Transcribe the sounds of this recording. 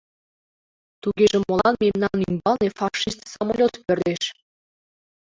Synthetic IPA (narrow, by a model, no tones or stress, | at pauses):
t̪uɣeʒĕmolˠɑnmemnɑnymbɑlnefɑʃist̪sɑmolʲot̪pø̆rd̪eʃ